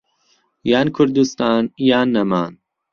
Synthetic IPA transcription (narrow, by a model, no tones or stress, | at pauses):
jaːnkʰʊɾd̪ust̪aːnjaːnːɐmaːn